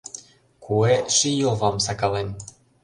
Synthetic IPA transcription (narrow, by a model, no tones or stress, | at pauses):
kʰueʃijovɑmsɑkɑlen